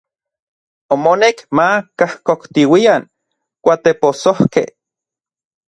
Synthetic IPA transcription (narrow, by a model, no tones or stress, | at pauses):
omonekmakahkokt̪iwian | kʷat̪eposohkḛh